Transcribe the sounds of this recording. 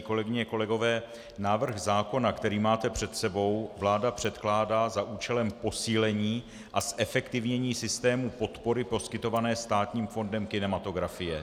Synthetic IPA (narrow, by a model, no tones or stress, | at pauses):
ko̞lɛɡɪɲɛko̞lɛɡo̞vɛː | naːvr̩ɣzaːko̞nakt̪ɛɾiːmaːt̪ɛpr̝̥ɛt̪sɛbo̞wvlaːdapr̝̥ɛt̪klaːdaːzaʔuːt͡ʃɛlɛmpo̞siːlɛɲiː | ʔasʔɛfɛkt̪ɪvɲɛɲiːsɪst̪ɛːmupo̞t̪po̞ɾɪpo̞skɪt̪o̞vanɛːst̪aːt̪ɲiːmfo̞ndɛmkɪnɛmat̪o̞ɡɾafɪjɛ